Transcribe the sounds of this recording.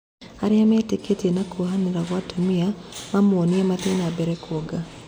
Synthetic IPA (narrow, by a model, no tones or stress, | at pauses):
haɾiamɛtiketiɛnakuhaniɾaɣwatumiamamuɔniamatinabɛɾɛkuɔɡa